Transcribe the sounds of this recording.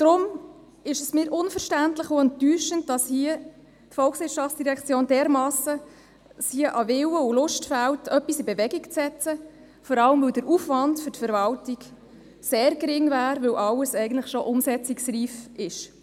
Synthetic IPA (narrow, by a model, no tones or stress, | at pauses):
d̥ɾʊm | ɪʃəsmɪːɾʔʊnfəɾʃtæntləχʊɛntːyːʃənt̚d̥ɑshiə | tfɔlksʋɪtʃɑftt͡sd̥iɾɛkʰt͡sjoːnd̥ɛːɾmɑːsə | siəʔɑvɪwəʊlʊʃtfæltʰœpːisɪbevɛɡikt͡sɛt͡sə | fɔɾɑləmvɵwdəɾufʋɑndfʏɾtfəɾvɑltiɡ | seːɾɡɾɪŋvæːɾʋɵwʔɑləsɛɪɡən̩tləχʃoʔʊmsɛt͡sɪksriːfɪʃ